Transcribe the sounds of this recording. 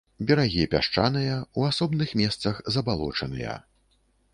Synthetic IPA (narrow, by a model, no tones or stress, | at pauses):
bʲɛɾaɣʲipʲa̰ʂt͡ʂa̰nɨjɐuasɔbnɨxmʲɛst̪sɐxzɐbalˠɔ̰t͡ʂɐnɨ̰jɐ̰